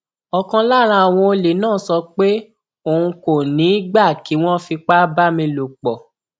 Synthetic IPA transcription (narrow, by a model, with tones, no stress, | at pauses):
ɔ˨kã˧la˦˨ɾ̃ã˧a˨w̃ɔ̃˧o˧le˨nãː˦˨˦sɔ˧k͡pe˦ | o˨ũ˧ko˨nĩ˨˦ɡ͡ba˦˨ki˨˦w̃ɔ̃˦fi˧k͡pa˦ba˦mĩ˧lo˨k͡pɔ˨